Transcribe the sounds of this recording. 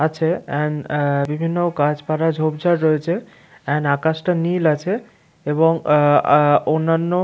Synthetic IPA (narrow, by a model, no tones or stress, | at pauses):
at͡ɕʰeɛnbibʱinːokad͡ʑpaɾad͡ʑʱobd͡ʑaɾɾɔet͡ɕʰe | ɛnakasʈanilat͡ɕʰe | eboŋ | onːanːo